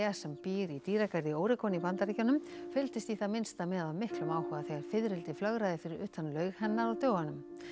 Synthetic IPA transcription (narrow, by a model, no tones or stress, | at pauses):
asɛmpiːɾit̪iːɾakaɾðɪoːwɾɪkʰɔnipant̪aɾiːcanʏmfʏlt̪ɪst̪iθamɪnst̪amɛːðawmɪhklʏmaːwhʏɣaθɛɣaɾ̥fɪðɾɪlt̪ɪflœɣɾaːðɪfɪɾɪɾʏht̪anlœɥɣhɛnːaɾat̪œːwɣanʏm